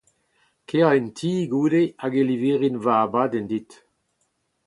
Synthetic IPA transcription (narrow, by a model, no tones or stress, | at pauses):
keaintʰiːɡuːdeaɡeliveːʁinvaːbadɛnd̪it̪